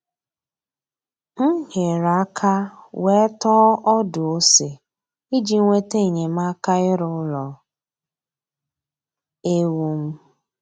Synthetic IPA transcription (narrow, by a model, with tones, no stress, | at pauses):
ŋ̩˦ɦe˨ɾa˦kʰa˦we˦tɔ˦ʔɔ˦dʊ˨o˦se˨ | i˦d͡ʒi˨˦ŋʷe˦te˦˨ɲe˨m̩˦a˦ka˦ɪ˦ɾʊ˦lɔ˨ | e˦wu˦m̩˦